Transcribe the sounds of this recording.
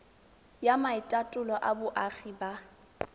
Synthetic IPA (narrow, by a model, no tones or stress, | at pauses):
jamaɪtʼatʼʊlɔʔabʊʔaɣiba